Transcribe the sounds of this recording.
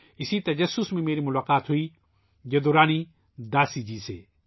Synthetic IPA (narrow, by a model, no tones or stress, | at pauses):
ɪsit̪ɐd͡ʒɐsːʊsmẽmeːɾimʊlaːqaːt̪ɦʊiː | d͡ʒed̪oːɾaːni | d̪aːsid͡ʒiːsḛː